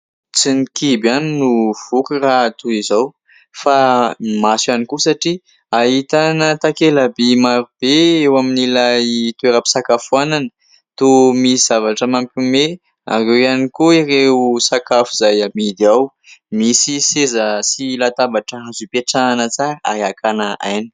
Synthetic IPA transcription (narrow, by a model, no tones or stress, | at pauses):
t͡sinikibaninuv̥ukirat̪uizow | famasanikusaʈ͡ʂi | aɦit̪anət̪akelabemaɾub̥eewaminilajt̪ueɾəpi̥sakafuananə | t̪umiiz̥avaʈ͡ʂəmampʲume | a̰rewjanikuireusakafuzajamid̪eaw | misisezəsilat̪abaʈ͡ʂəazupeʈ͡ʂanət͡saɾəa̰eakanaajni̥